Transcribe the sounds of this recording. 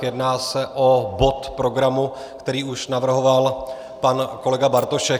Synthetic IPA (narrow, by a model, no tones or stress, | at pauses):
jɛdnaːsɛʔo̞bo̞t̪pɾo̞ɡɾamu | kt̪ɛɾiːuʃnavr̩ɦo̞val | panko̞lɛɡabaɾt̪o̞ʃɛ